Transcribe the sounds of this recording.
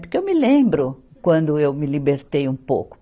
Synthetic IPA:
pʊɾkewmɪlẽmbɾʊkwɐ̃nd̪ʊewmɪlibeɾt̪ejũpo̰wkʊ̥

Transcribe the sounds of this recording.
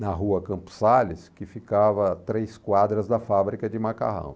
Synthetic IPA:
nɐɦuɐkɐ̃mpʊ̥salɪskɪfikavɐt̪ɾejskwad̪ɾɐzd̪ɐfabɾikɐd͡ʒɪmaka̰ɦɐ̰̃w̃

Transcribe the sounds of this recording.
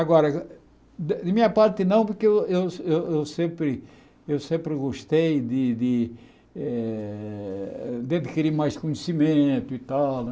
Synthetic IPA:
aɡɔɾɐ | d̪d̪ɪmĩɲɐpaɾt̪ɪnɐ̃w̃poɾkeewewewewsẽmpɾɪ | ewsẽmpɾɪɡoʃt̪ejd̪ɪd̪ɪ | ɛ | d̪ɐd̪ɪkiɾiɾmajskõɲesimẽt̪ʊit̪al

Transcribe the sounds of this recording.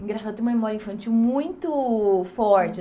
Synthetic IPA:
ĩŋɡɾasad̪t̪ẽũmɐmemɔɾɐĩfɐ̃nt͡ʃiwmũj̃t̪ʊfɔɾt͡ʃɪ

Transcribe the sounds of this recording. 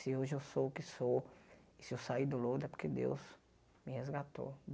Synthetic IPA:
sɪoʒɪewsoʊkɪsoɪsɪewsaid̪ʊlod̪ʊɛpoɾked̪ḛws | mɪhezɡat̪o̰

